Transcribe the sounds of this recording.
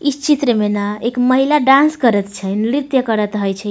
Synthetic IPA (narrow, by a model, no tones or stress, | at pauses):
ist͡ʃit̪ɾəmenaekməɦilaɖãnskəɾət̪t͡ʃʰəjnɾit̪jəkəɾət̪ɦəjt͡ʃʰɛ